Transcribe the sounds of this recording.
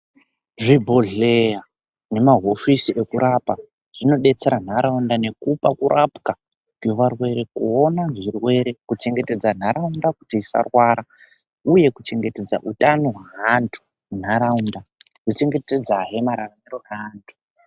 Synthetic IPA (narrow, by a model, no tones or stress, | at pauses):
ʐibʱoɮeja | ne̞maɦo̞fisiʔe̞kuɾapa | ʐ̥ino̞ɗe̞t͡se̞ɾan̤aɾaundane̞kupakuɾʔapka | kweʋarwe̞ɾe̞kuonaʐirwe̞ɾe̞kut͡ʃe̞ŋɡe̞te̞d͡zan̤aɾaundakutiːsa̰rwaːɾa | uje̞kut͡ʃe̞ŋɡe̞te̞d͡zaʔutʼano̞ɦwaɦantʰu̥ | n̤aɾaunda | kut͡ʃe̞ŋɡe̞ted͡zaɦe̞maɾaramiɾoeaːntʰu̥